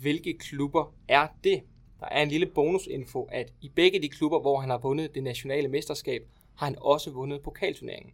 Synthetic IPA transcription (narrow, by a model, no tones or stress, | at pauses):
ʋe̝lɡ̥əkʰlub̥ɐ | æɐd̥e̝ | d̥ɑ̈ʔæɐe̝nliləb̥o̝ːnuse̝nfo̝ʔæd̥ib̥eɡ̥əd̥ikʰlub̥ɐʋɒɦænhɑ̈ʋɔ̽nð̩ˠd̥e̝næɕo̝nɛ̰ːləmesd̥ɐsɡ̥ɛ̰ːb̥̚ | hɑ̈hænɒ̽səʋɔ̽nəð̞̩ˠpʰo̝kʰɛ̰ːlt͡sʰuɐne̝ɐe̝ŋn̩